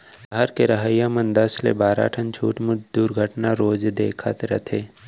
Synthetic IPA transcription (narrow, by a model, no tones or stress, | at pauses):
bɐɦəɾkeɾɐɦaːjamənd̪ɐslḛbaːɾa̰ːʈʰənt͡ʃʰuːʈmʊt͡ʃʰd̪uːɾɡʱəʈnaɾoːd͡ʒd̪eːkʰa̰t̪ɾɐt̪ʰeː